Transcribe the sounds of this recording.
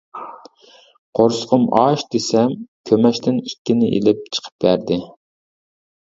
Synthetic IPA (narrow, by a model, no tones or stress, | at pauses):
qʰoɾsə̥qʰəmɑʃd̪esɛmkʲʰømɛʃt̪ʰɪnit̪̚ʲkʲːɪnɪʔḛlɪp̚t͡ʃʰə̥qʰə̥p̚bæɾd̪ɪ